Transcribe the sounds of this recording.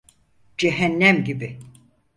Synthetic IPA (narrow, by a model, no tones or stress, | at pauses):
d͡ʒeɦænːæmɟibɪ